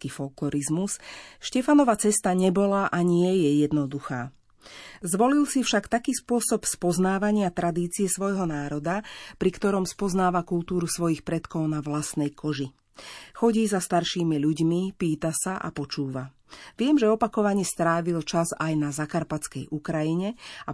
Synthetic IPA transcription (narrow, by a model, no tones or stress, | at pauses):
kifɔklɔɾizmusʃcɛfanɔʋat͡sɛst̪aɲɛbɔlaʔaɲɪɛjɛjɛd̪nɔd̪uxa̰ː | zʋɔlilsifʃakt̪akiːspʊɔsɔpspɔznaːʋaɲɪat̪ɾad̪iːt͡siɛsʋɔjɦɔnaːɾɔd̪apɾikt̪ɔɾɔmspɔznaːʋakult̪uːɾusʋɔjixpɾɛt̪kɔʊnaʋlast̪nɛjkɔʒi | xɔɟiːzast̪aɾʃiːmiʎuɟmipiːt̪asaʔa̰pɔt͡ʃuːʋa | ʋɪɛmʒɛɔpakɔʋaɲɪɛst̪ɾaːʋilt͡ʃazajnazakaɾpat͡skɛjʔukɾajiɲɛa